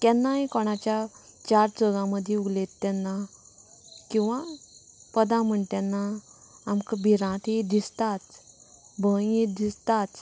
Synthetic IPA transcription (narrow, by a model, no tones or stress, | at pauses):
t̪jɛnːaɦikɔɽ̃at͡ɕjat͡ɕaɾd͡zəɡãməd̪ʱjeuɡlet̪ːɛnːa | kĩw̃ʋa | pəd̪ãm̤əɳt̪jɛnːaː | mkəbʱiɾãt̪id̪ist̪at̪ | bʱəjed̪ist̪at̪